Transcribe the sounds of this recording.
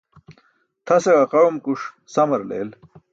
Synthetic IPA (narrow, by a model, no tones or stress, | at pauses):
t̪ʰɐseɡɐqɐɻumkuʂ | sɐmɐɾlḛːl